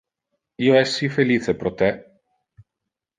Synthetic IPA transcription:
ioɛsːifeliːt͡sepɾot̪ɛ

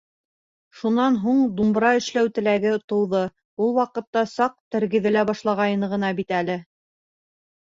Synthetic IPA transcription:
ʃunɑnɦuɴd̪umbɾɑɘ̆ʃlæwt̪ɘ̆læɡɘt̪ŏwðɤ | ulˠwɑqɤ̆t̪ːɑsɑq̚t̪æɾɡɘ̆ðɘ̆læbɑʃlˠɑʁɑjɤ̆nɤʁɤ̆nɑbit̪ælɘ

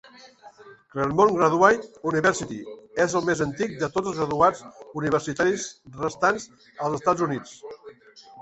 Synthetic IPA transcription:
kleɾmoŋɡɾəðwajt̪uniβɛɾsit̪iezəlˠmezənt̪ik̚d̪ət̪od͡zəlˠzɣɾəðuauniβ̞əɾsit̪aɾizrəst̪anz | əlˠzəst̪ad͡zunit͡s

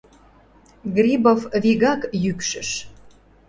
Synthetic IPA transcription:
ɡrʲibofβiɣɑkjykʃə̆ʃ

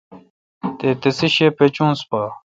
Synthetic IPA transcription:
t̪et̪əsiɕepet͡ɕuŋspa

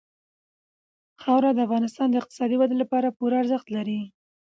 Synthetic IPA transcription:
xɑwɾad̪əafɣɑnɪst̪ɑnd̪əɪq̚t̪ɪ̥sɑd̪iwad̪elapɑɾapuɾaaɾzəxt̪laɾi

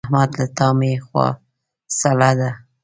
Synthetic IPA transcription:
hmad̪lat̪ɑmexwɑ̰ | salɑd̪a

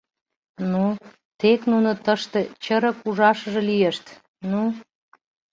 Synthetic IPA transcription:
nu | t̪eknunŏt̪əʃt̪et͡ɕəɾə̆kuʒɑʃəʒĕlijeʃt̪ | nu

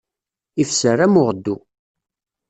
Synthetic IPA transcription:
ifsəræmʊʁd̪ːu

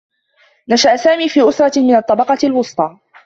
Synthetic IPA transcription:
naʃaʔsaːmiːfiːʔʊsɾˤɑmɪnɑt̪ˤːɑbɑqɑlwʊsˤt̪ˤɑː

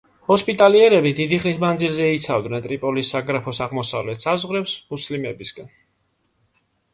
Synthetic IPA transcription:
hɔspʼit̪ʼaliɛɾɛbid̪id̪iχnismand̪zilzɛit̪sʰavd̪nɛnt̪ʼɾipʼɔlisaɡɾapʰɔsaʁmɔsa̰vlɛt̪sazʁɾɛpsmuslimɛbisɡ̥an

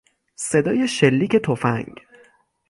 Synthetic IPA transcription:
se̞d̪ɒːje̞ʃelːiːcʰet̪ʰofæ̰ŋɡ

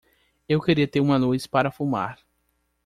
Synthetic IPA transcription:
ewkeɾiɐt̪eɾũmɐlujspaɾɐfuma̰ɾ

